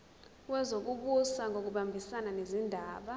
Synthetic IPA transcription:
wɛzok̬uk̬usaŋʱok̬uɓambʱisananezindʱaːɓa

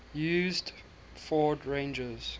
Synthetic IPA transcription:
juːzd | fɔːdɹẽnd͡ʒəz̥

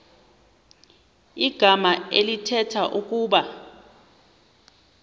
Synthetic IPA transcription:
iɡ̥ʱamaelitʰɛtʰaʔuk̬ʼuːɓa

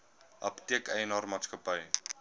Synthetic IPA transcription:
ʔɐ̰ptiəkəjənɑːrmɑːtskəpəj

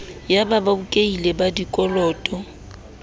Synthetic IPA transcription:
jabababukʼeilebadikʼɔlɔːtʼɔ

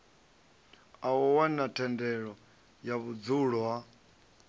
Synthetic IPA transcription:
awɔwanatʰɛndɛɺɔ | jaβud͡zuɺɔwa

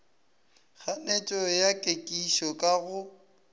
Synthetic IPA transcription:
ɣʰanet͡ʃʼɔjakʼekʼiʃɔkʼaɣʊ

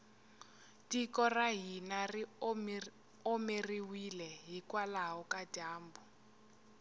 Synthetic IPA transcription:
tikɔraɦinari | omeriwilɛɦikwalaɦɔkad̥ʱaːmbu

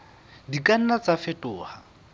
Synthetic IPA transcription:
dikʼan̩nat͡safɛtʼʊːha

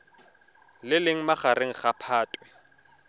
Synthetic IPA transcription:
lɪlɪŋ̩maχaɾeŋ̩χapʰaːtʼwɛ

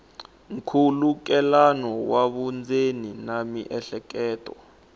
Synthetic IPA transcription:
ŋkʰuluk̬ɛlanɔwaɓund͡zeninamiʔɛɬɛk̬ʼɛːtʼɔ̰

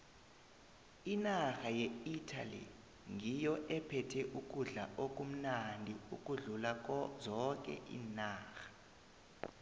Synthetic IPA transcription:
inaxajɛitʰa̰lḭ | ŋʱijɔʔɛpʰɛtʰɛʔuk̬ʼuɮaʔok̬ʼum̩nandʱiṵk̬ʼuɮulazɔk̬ʼɛ̰ʔḭːnaːxḁ

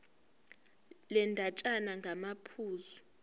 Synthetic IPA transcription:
lɛndʱat͡ʃʼanaŋɡʱamapʰuːzu

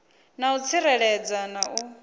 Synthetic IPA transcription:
naut͡sʰiɾɛɺɛd͡zanau

